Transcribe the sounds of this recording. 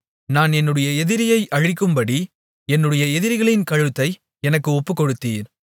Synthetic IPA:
naːnɛnːɯɽɐjɐɛðɪɾɪjɐɪʔɐɻɪkːɯmbɐɽi | ɛnːɯɽɐjɐɛðɪɾɣɐɭɪnkɐɻɯt̪ːɐɪ | ɛnɐkːɯɔpːɯkːɔɽɯt̪ːiːɾ

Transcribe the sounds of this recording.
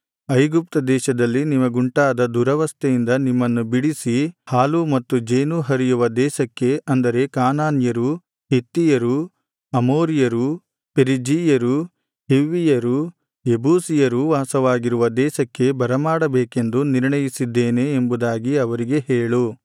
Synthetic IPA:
ɐjɡup̚t̪ɐd̪ɛːʃɐd̪ɐlːinimɐɡuɳʈaːd̪ɐd̪uɾɐʋɐst̪ɐejind̪ɐnimːɐnːubiɽisihaːlumɐt̪ːud͡ʒeːnuɦɐɾijuʋɐd̪ɛːʃɐkːe̞ʔɐnd̪ɐɾe̞kaːnaːnjɐɾu | ɦet̪ːijɐɾu | ɐmoːɾijɐɾu | peɾid͡ʒiːjɐɾu | ɦeʋːijɐɾu | ebuːsijɐɾuʋaːsɐʋaːɡiɾuʋɐd̪ɛːʃɐkːe̞bɐɾɐmaːɽɐbeːke̞nd̪uniɾɳɐjisid̪ːeːne̞ːmbud̪aːɡiɐʋɐɾiɡe̞heːɭu

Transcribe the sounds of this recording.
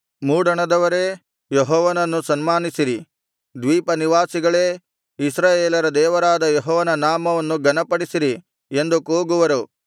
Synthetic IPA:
muːɽɐɳɐd̪ɐʋɐɾe̞ː | jeɦɔːʋɐnɐnːusɐnmaːnisiɾi | d̪ʋiːpɐniʋaːsiɡɐɭeː | isɾaːjeːlɐɾɐd̪ɛːʋɐɾaːd̪ɐjɔɦɔːʋɐnɐnaːmɐʋɐnːuɡɐnɐpɐɽisiɾi | e̞nd̪ukoːɡuʋɐɾu

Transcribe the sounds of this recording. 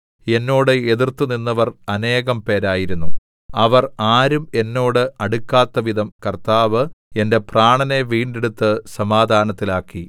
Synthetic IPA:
e̞nːo̞ːɽɨe̞ðirt̪ːuninːɐʋɐrɐne̞ːɣɐmpe̞ːɾaːjiɾunːu | ɐʋɐraːɾume̞nːo̞ːɽɨɐɽukːaːt̪ːɐʋid̪ʱɐmkɐrt̪aːʋɨ | e̞nde̞praːɳɐne̞ʋiːɳɖeɽut̪ːɨsɐmaːd̪ʱaːnɐt̪ːilaːkːi

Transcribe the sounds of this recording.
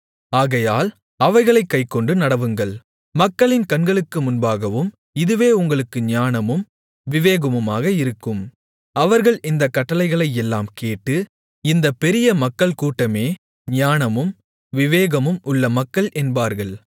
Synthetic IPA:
aːɣɐjaːl | ɐʋɐɪɣɐɭɐɪkːɐɪkːɔɳɖɯnɐɽɐʋɯŋɡɐɭ | mɐkːɐɭɪnkɐnɡɐɭɯkːɯmʊnbaːɣɐʋɯm | ɪðɯʋeːʊŋɡɐɭɯkːɯɲaːnɐmɯm | ʋɪʋeːɣɐmɯmaːɣɐɪɾɯkːɯm | ɐʋɐɾɣɐɭʔɪnd̪ɐkːɐʈːɐlɐɪɣɐɭɐɪjɛlːaːmkeːʈːɯ | ɪnd̪ɐpɛɾɪjɐmɐkːɐɭkuːʈːɐmeː | ɲaːnɐmɯm | ʋɪʋeːɣɐmɯmʔʊɭːɐmɐkːɐɭʔɛnbaːɾɣɐɭ

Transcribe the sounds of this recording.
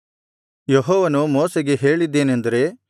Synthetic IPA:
jeɦɔːʋɐnumoːseɡe̞ɦe̞ːɭid̪ːeːnend̪ɐɾe̞

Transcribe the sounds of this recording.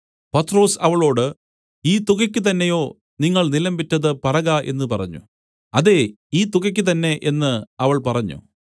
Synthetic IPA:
pɐt̪ːro̞ːsɐʋɐɭo̞ːɽɨ | iːt̪uɣɐkʲːɨt̪̬ɐnːejo̞ː | niŋːɐɭnilɐmbitːɐðɨpɐrɐɣaʔe̞̰nːɨpɐrɐ̰ɲːṵ | ɐðe̞ | iːt̪uɣɐkʲːɨt̪̬ɐnːe̞ʔe̞nːɨɐʋɐɭpɐrɐɲːṵ

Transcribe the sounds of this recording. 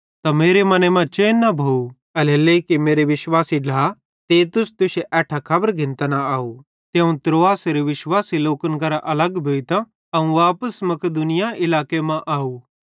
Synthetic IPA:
t̪ameːɾemɐnemãt͡ʃeːnːɐbʱou | ɐleleːkimeːɾeʋɪʃwaːsiɖaː | t̪eːt̪ʊst̪ʊʃeʔɛːʈʰakʰɐbəɾɡʱɪ̃nt̪anaaːu | t̪jɐũt̪ɾoːaːsɾeʋɪʃwaːsiloːkənkɐɾaʔɐləɡbʱoːit̪a | ɐũʋaːpəsmɐkəd̪ʊnɪjaɪlaːkemãʔaːuː

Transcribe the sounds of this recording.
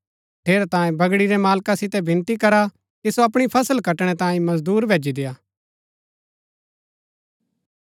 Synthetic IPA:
ʈʰeːɾat̪ãːẽbɐɡɽiɾemaːlkasɪt̪ɛbɪ̃nt̪ikɐɾa | kisoɐpɽ̃ipʰɐsəlkɐʈɽ̃ɛt̪ãːĩmɐzd̪uːɾbʱeːd͡ʒid̪ejaː

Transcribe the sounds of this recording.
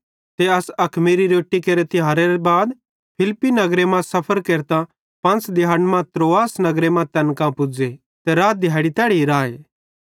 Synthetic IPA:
t̪eɐsɐkʰmiɾiɾoːʈːikeɾet̪ɪɦaːɾeɾebaːd̪ | pʰɪlpːinɐɡɾemãsɐpʰəɾkeːɾt̪ã | pɐ̃nt͡sd̪ɪɦaːnmãt̪ɾoːaːsnɐɡɾemãt̪ɛnkãpʊd͡ze | t̪eɾaːd̪ʱɪjaːɪɽit̪ɛːɽiɾaːḛː

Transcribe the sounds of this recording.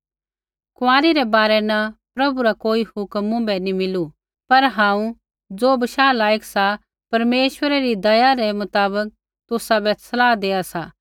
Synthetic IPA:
kʋãːɾiɾɛbaːɾɛnɐpɾɐbuɾakoːihʊkmːʊ̃bɛnimɪlu | pɐɾɦãːũ | d͡zoːbɐʃaːlaːjəksa | pɐɾmeːʃwəɾɛɾid̪ɐjaɾɛmʊt̪aːbək̚ | t̪ʊsabɛsʰɐlaːd̪eːasaː

